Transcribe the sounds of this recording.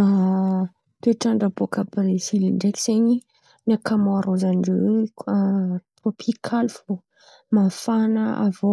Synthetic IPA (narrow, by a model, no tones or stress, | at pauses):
a | t̪eʈ͡ʂaɳɖ͡ʐabokapɾesiliɳɖ͡ʐeki̥seɲi | nakamoaɾozanɖ͡ʐe | t̪ropʰikʰalv̥o | mafanəa̰vo